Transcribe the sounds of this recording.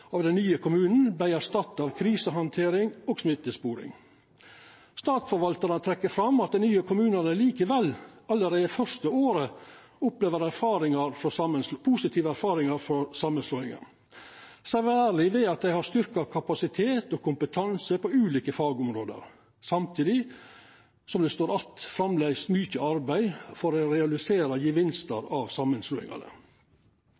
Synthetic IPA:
ɑːʋd̪ɛnnyːəkʰʊmʉːnn̩bæɪæʂt̪ɑt̪ːɑʋkʰɾiːsəɦɑnt̪ʰeːɾɪŋoːɡsmɪt̪ːəspuːɾɪ̰ŋ | st̪ɑːt̪sfɔɾʋɑlt̪əɾənət̪ʰɾɛkːəɾfɾɑmɑt̪̚d̪ɛnyːəkʰʊmʉːnənəliːkəʋɛlːɑlːəɾeːd̪əfœɾʂt̪əoːɾə | ʊpleːʋəɾæɾfɑːɾɪŋɑɾfɔsɑməpʰuːsɪt̪ʰiːʋəæɾfɑːɾɪŋɑɾfɔɾsɑmːənsloːɪŋə̰n | sæɾæːɾɭɪʋeːɑt̪̚d̪æɪhɑst̪ʏɾkɑkʰɑpɑsɪt̪ʰeːt̪ɔːkʰʊmpət̪ʰɑnsəpɔʉːliːkəfɑːɡʊmɾoːd̪ə̰ɾ | sɑmt̪ʰiːd̪ɪ | sɔmd̪ɛst̪oːɾɑt̪fɾɑmlæɪst̪mʏçəɑɾbæɪfɔɾɛɾɛɑlɪseːɾɑjəʋɪnst̪əɾɑʋsɑmːənslʉːɪ̰ŋɑ̰nə̰

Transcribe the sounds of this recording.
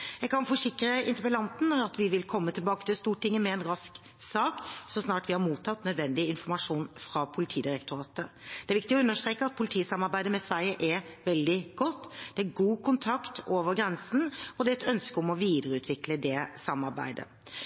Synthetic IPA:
jæɪɡkʰɑnfɔʂɪkɾəɪ̰nt̪əpəɛlɑnt̪n̩ɑt̪ʋɪʋɪlkʰɔmːət̪ʰɪlbɑːkət̪ɪlst̪uːʈɪŋːəmɛɛnɾɑsk | sɑːksɔsnɑːʈʋɪhɑɾmuːt̪ʰːɑt̪nœd̪ʋɛnd̪ɪɪnfɔɾmɑʂuːnfɾɑpʰʊlɪt̪ʰiːd̪ɪɾɛkt̪ʊɾɑːt̪əd̪ɛæɾʋɪk̚t̪ɪɔʉnːəʂt̪ɾeːkːəɑt̪̚pʰʊlɪt̪ʰiːsɑmɑɾbæɪd̪əmɛsʋæɪəʔɛʋɛld̪ɪɡ̥ɔt̪ːd̪̥ɛæɡuːkʰʊnt̪ʰɑkt̪ʰoːʋəɾɡɾɛnsn̩ɔd̪ɛɛt̪œnskəʊmɔʋiːd̪əɾəʉːt̪ʋɪkləd̪ɛsɑmːɑɾbæ̰ɪd̪ə̰

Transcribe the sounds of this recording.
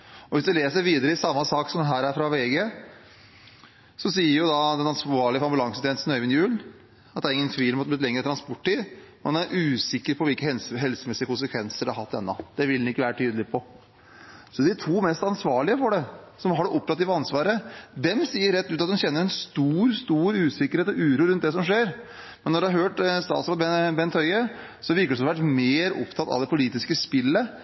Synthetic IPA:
ɔʋɪsd̪ɛleːsəɾʋiːd̪əɾəɪsɑmːɑsɑːksɔmd̪ɛɦæːɾæɾfɾɑʋeːɡe | sɔsiːəɾjʊd̪ɑd̪ɛnɑnsʋɑːɭɪəfɔɾɑmbʉlɑŋsənt̪ʰɛnsnœʏʋɪnjʉːl | ɑt̪d̪æɾɪŋːənt̪ʰʋiːlmʊt̪bɪt̪lɛŋːɾət̪ʰɾɑnspɔʈʰːiːd̪mɛnæɾʔʉːsɪkːəɾpʰɔʋɪlkəhɛlsɦɛlsəmɛsɪəkʊnsəkʰʋɛnsəɖʉhɑɾhɑt̪ːɛ̰nːɑ̰d̪̥ɛʋɪld̪nɪkːəʋæːɾət̪ʰyːd̪əlɪpʰɔ | sɔd̪ɪt̪ʰuːmɛst̪ɑnsʋɑːɭɪəfɔɖɛ | sɔmhɑɖɛʔɔp̚t̪ʰɑt̪ːɪʋɑnsʋɑːɾəd̪ɛmsiːəɾɛt̪ːʉːt̪ɑt̪d̪ʉnçɛnːəɾɛnst̪uːɾst̪uːɾʉːsɪkəɾheːt̪ɔʉːɾuːɾʉnt̪̚d̪ɛs̬ɔmʂeːɾ | mɛnːɔɖʉhɑɾhøːʈst̪ɑ̰ːt̪sɾɑːd̪ɛbɛnt̪hœʏə | sɔʋɪɾkəɖsɔʋæʈmeːɾɔ̰pt̪ʰɑt̪ɑ̰ʋd̪ɛpʊliːt̪ɪskəspɪlːə

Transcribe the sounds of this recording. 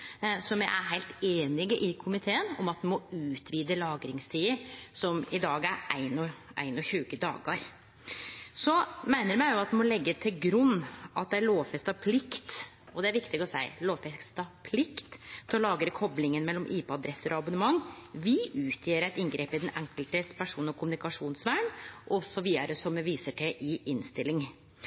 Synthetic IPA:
sɔmæɪʔæ̰ɾɦæɪlt̪eːnɪɡəʔɪkʰʊmɪt̪ʰeːənɔmɑt̪ʋ̪ɪmɔʉːt̪ʰʋiːd̪əlɑːɡɾɪŋst̪ʰiːəsɔmɪd̪ɑːɡæɾʔæ̰ɪnɔʔæ̰ɪnɔçʉːkəd̪ɑ̰ːɡɑɾ | sɔmæɪnəɾmæɪjʊɑt̪d̪ɪmɔlɛɡːət̪ʰɪlɡɾʉnːʔɑt̪̚d̪ɛæɭoːʋfɛst̪ɑpʰlɪkt̪ | ɔd̪ɛæɾʋɪkt̪ɪɡɔsæɪloːʋfɛst̪ɑpʰlɪkt̪t̪ʰːɔlɑːɡəɾəkʰɔblɪŋənmɛlːɔmʔiːpəɑd̪ɾɛsːəɾʔɔɑbʊnəmɑŋːʋɪʔʉːt̪ʰjeːəɾæɪt̪ɪŋɡɾeːpɪd̪ɛnɛ̰ŋkəlt̪əspʰæʂuːnnɔkʰʊmʉnɪkɑʂuːnsʋæːɳʔɔsɔʋiːəɾəsɔmɛʋiːsəʈʰɪʔɪʔɪnst̪ɪlːɪŋ

